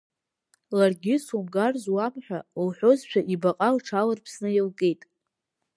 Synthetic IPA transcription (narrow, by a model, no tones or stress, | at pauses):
larɡʲɪsumɡarzwamħʷᶣawħʷo̞zt͡ʃʷᶣaʔibaqʼalʈ͡ʂʰalarpʰsnɨjɪlɡʼejtʼ